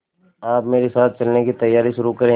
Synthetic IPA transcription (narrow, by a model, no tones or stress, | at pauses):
aːpmeːɾesaːt̪̚ʰt͡ʃɐlnekit̪ɐjːaːɾiʃʊɾukɐɾẽː